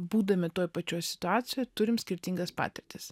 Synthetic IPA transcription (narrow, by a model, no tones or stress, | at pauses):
buːd̪ɐmʲɪt̪oːjpɐt͡ʃʲoːjsʲɪ̥t̪ʊɑːt̪sʲɪjoːjt̪ʊɾʲɪmsʲkʲɪɾʲt̪ʲiŋɡɐspɑ̰ːt̪ʲɪɾʲt̪ʲɪs